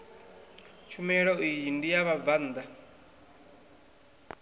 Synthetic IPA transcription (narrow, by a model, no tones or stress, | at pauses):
t͡ʃʰumɛɺɔijindijaβavand̪a